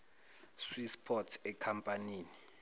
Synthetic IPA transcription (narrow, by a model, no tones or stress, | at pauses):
swispʰɔtʰɛkʰampʼaniːni